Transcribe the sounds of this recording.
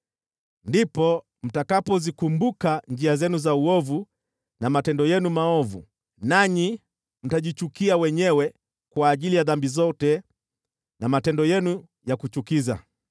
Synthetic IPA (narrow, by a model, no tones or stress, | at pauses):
ndipɔ | m̩takapɔzikumbukand͡ʒiazɛnuzauɔvu | namatɛndɔjɛnumaɔvṵ | naɲi | m̩taʄit͡ʃukiawɛɲɛwɛ | kwaːʄilijaðambizɔtɛ | namatɛndɔjɛnu | jakut͡ʃukiza̰